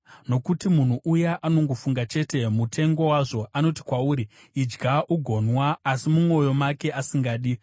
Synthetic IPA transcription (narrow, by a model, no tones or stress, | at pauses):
no̞kutimun̤uʔujaʔano̞ŋɡo̞fuŋɡat͡ʃe̞te̞mutʰe̞ŋɡo̞waʐo̞ʔano̞ti̥kwauːɾi | id͡ʒɡʱaʔuɡʱo̞nwaːsimumo̞jo̞make̞ʔasiŋɡaːɗi